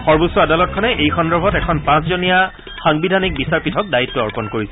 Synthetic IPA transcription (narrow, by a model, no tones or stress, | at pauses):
xɔɹbosɔadalɔt̚kʰɔnɛʔejxɔndɔɹbʱɔtɛkʰɔnpãszonija | xaŋbidʱanik̚bisaɹpitʰɔk̚dajitːɔːɹpɔnkoɹisɛ